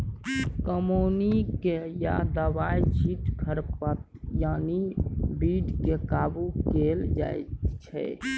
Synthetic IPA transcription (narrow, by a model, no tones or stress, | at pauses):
kəmonikeja̰d̪əbajt͡ʃʰiʈkʰəɾpət̪̚janibiɖkekabukeld͡ʒa̰jt̪t͡ʃʰɛ̰